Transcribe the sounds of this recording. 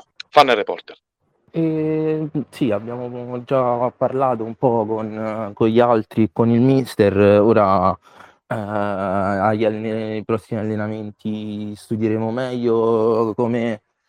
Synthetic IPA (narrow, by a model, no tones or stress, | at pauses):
fanːerepɔ̰rt̪er | ɛ | siabːjaːmod͡ʒapːarlaːt̪oumpɔkonkoʎialt̪ɾikːonilmist̪eroːɾa | aʎːaljpɾɔsːimialːenament̪ʰist̪ud̪jeɾeːmomɛʎːokome